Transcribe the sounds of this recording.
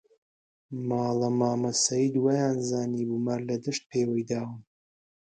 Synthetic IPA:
maːlˠɐmaːmɐsɐjid̪waːjaːnzaːniːbuːmaɾlɐd̪ɨʃt̪̚pʰeːwəjd̪aːwɨn

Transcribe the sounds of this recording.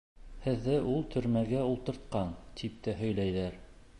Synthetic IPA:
hɘ̆ðːɘʔulˠt̪ʰɵ̆ɾmæɡæulˠt̪ɤ̆ɾt̪̚qɑnt̪ʰip̚t̪æɦɵ̆jlæjðæɾ

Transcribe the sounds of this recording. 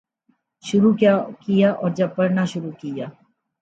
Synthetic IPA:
ʃʊɾukjakijaʔɔːɾd͡ʒɐb̚pɐɽnaʃʊɾukijaː

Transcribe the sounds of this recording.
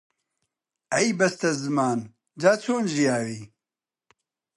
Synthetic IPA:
ɐjbɐst̪ɐzɨmaːn | d͡ʒaːt͡sʰoːnʒijaːwiː

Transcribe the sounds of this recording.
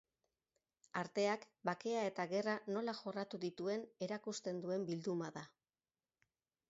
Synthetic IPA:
aɾt̪e̞ak | bake̞ae̞t̪aɣe̞rano̞laʝo̞rat̪uðit̪ue̞ne̞ɾakust̪e̞nd̪ue̞mbild̪umaða

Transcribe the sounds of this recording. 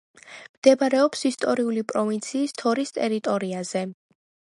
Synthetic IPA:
md̪̥ɛbaɾɛɔpsist̪ʼɔɾiulipʼɾɔvint̪sʰiːst̪ʰɔɾist̪ʼɛɾit̪ʼɔɾiaz̥ɛ

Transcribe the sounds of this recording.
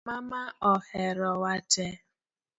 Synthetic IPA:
mamaɔhɛɾɔwat͡ʃɛ

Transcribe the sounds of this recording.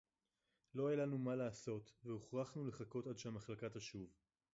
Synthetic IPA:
lo̞ajlanumalaːso̞t̪veuχʁaχnuleχako̞tadʃeamaχlakataʃuv

